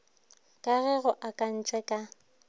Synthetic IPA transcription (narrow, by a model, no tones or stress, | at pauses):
kʼaɣɛɣʊʔakʼan̩t͡ʃʼɛkʼa